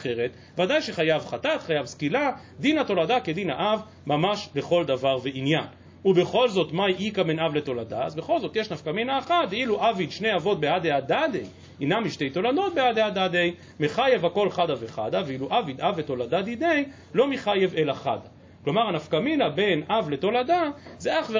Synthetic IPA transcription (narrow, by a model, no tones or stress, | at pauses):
aχe̞ʁet̪ | vad̪ajʃeχajavχat̪at̪χajavskila | d̪inato̞lad̪aked̪ina̰ʔav | mamaʃleχo̞ld̪avaʁveinjan | ube̞χo̞lzo̞t̪majʔikabenavlet̪o̞lada̰azbeχo̞lzo̞t̪je̞ʃnafkaminaːχatiluʔavid̪ʃne̞javo̞t̪̚beadeadad̪ej | inamiʃte̞jt̪o̞lado̞t̪̚bead̪ead̪ad̪ej | meχaje̞vhako̞lχadaveχa̰d̪aveiluʔavid̪avet̪o̞lad̪ad̪id̪e̞j | lo̞miχaje̞ve̞laχa̰d̪a | klo̞maʁanafkaminabe̞navle̞t̪o̞ladazeaχve